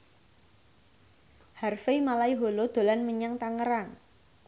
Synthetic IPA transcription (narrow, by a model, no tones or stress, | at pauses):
harfemalaiɦolod̪̥o̤lanməɲaŋt̪aŋəɾaŋ